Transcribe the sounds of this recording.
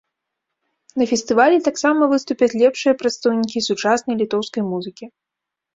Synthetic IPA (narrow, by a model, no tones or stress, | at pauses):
nɐfʲɛst̪ɨvalʲɛt̪aksamɐvɨst̪upʲɐt͡sʲlʲɛpʂɨjɐpɾɐt̪st̪ɐwnʲikʲisut͡ʂasnɐjlʲit̪ɔwskɐjmuzɨkʲi